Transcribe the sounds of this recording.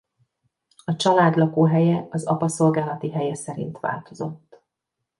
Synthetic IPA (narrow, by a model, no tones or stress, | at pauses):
ɒt͡ʃɒlaːd̪lɒkoːɦɛjɛɒzɒpɒso̞lɡaːlɒt̪iɦɛjɛsɛɾḭnt̪ʋa̰ːlt̪o̞zo̞t̪ː